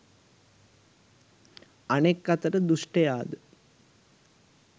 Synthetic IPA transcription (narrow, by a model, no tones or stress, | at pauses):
ɐneːkːɐt̪ɐɾɐd̪uʂʈɐjaːd̪ɨ